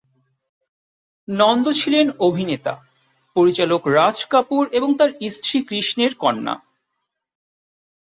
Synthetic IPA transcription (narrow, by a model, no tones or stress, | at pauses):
nɔnd̪ot͡ɕʰilenobʱinet̪a̰ | poɾit͡ɕalokɾad͡ʑkapuɾeboŋt̪aɾisʈʰɾikɾiʃneɾkɔnːa̰